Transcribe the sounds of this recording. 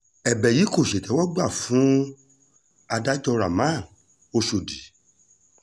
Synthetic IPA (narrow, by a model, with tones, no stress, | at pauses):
ɛ˨bɛ˨ji˨˦ko˦˨ʃe˨tɛ˨˦wɔ˦ɡ͡ba˦˨fũ˨˦ | a˧da˦i˦tɔ˧ɾa˨mã˦˨ | o˧ʃo˧˨di˨˦